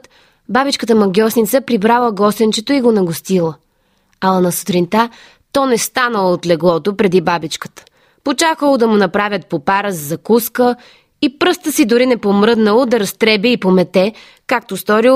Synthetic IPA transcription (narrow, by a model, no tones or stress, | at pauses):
t̪ | babit͡ʃkət̪əmɐɡʲɔsnit̪səpɾibɾalˠəɡɔst̪ɛnt͡ʃɛt̪oiɡonɐɡost̪ilˠə | ɐlˠɐnɐso̥t̪ɾint̪a | t̪ɔnɛst̪anəlˠot̪lɛɡlˠɔt̪opɾɛd̪ibabit͡ʃkə̥t̪ə̥ | pot͡ʃakəlˠod̪ɐmʊnɐpɾavʲjət̪̚popaɾəzɐzɐkuskə | ipɾɤst̪əsid̪ʊɾinɛpomɾɤd̪nəlˠod̪ɐɾɐst̪ɾɛbiipomɛt̪ɛ | kak̚t̪ost̪ɔɾi